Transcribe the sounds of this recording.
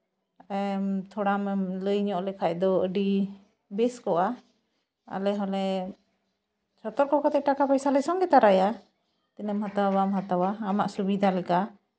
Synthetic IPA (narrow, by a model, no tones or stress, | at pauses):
ɛmt̪ʰɔɽamɛləjɲɔʔlɛkʰajd̪ɔəɖi | bɛskɔʔa | a̰lɛɦɔlɛ | t͡ʃɔt̪ɔɾkɔkɔt̪ɛʔ̚ʈakapajsalɛsɔŋɡɛt̪aɾaja | t̪inəmɦət̪awamɦət̪awaːmaʔsubid̪ʱalɛka